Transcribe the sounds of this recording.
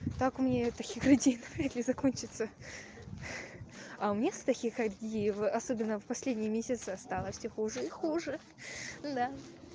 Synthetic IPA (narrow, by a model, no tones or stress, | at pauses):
t̪akʊmʲnʲet̪ɐkʲixɾɨdʲejnəvɾʲat̪lʲɪzɐko̞nʲt͡ɕɪt̪sə | aʊmʲnʲest̪ɐkʲikɐt̪ɡʲejvɐso̞bʲɪnːəfpɐsʲlʲedʲnʲɪjəmʲesʲɪt̪sɨɐst̪alˠəfsʲoxuʐɨixuʐɨ | d̪a